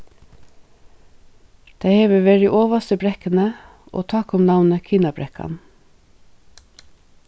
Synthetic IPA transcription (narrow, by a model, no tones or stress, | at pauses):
t̪ʰæɪhɛːʋəʋeːɹɪʔoːʋast̪əbɾɛkənə | o̰ːt̪ʰɑːkʊmnawnəkʰiːnabɾɛka̰n